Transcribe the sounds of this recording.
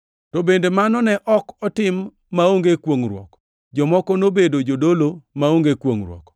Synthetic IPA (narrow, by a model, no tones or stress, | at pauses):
tobendemanɔnɛʔɔkɔtɪmː | aoŋɡekwoŋrwɔ̰k | d͡ʒɔmɔkɔnobedod͡ʒodolomaoŋɡekwoŋɾwɔ̰k